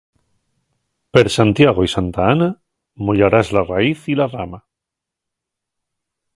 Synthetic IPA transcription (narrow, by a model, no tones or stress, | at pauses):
peɾsant̪jaɣoisant̪aana | moʎaɾazlaraiθilarama